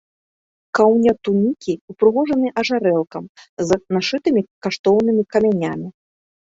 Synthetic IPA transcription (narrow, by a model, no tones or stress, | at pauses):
kawnʲɐt̪unʲikʲiupɾɨɣɔʐɐnɨʔɐʐaɾɛlˠkɐmznaʂɨt̪ɨmʲikaʂt̪ɔwnɨmʲikɐmʲanʲamʲi